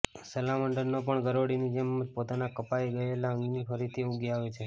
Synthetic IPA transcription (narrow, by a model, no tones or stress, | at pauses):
səlaməɳɖəɾnopəɳɡəɾoɽinid͡ʒəmːəd͡ʒpot̪anakəpaiɡəelaə̃ŋɡnifəɾit̪ʰiuɡjaʋet͡ʃʰe